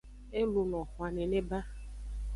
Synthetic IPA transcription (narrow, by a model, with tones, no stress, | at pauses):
e˦lu˨nɔ̃˨xwa˨nẽ˨ne˦ba˦